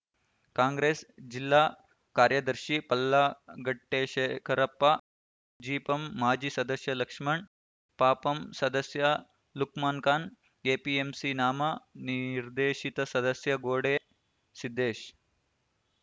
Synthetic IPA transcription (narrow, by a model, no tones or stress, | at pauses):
kaːŋɡɾeːsd͡ʒilːaː | kaːɾjɐd̪ɐɾʃipɐlːaɡɐʈːeːʃeːkʰɐɾɐpːɐ | d͡ʒiːpɐmːaːd͡ʒisɐd̪ɐsjɐlɐkʂmɐɳ | paːpɐmsɐd̪ɐsjɐ | lukmaːnkaːn | eːpiemsinaːmɐniɾd̪eːʃit̪ɐsɐd̪ɐsjɐɡoːɽeː | sid̪ːeːʃ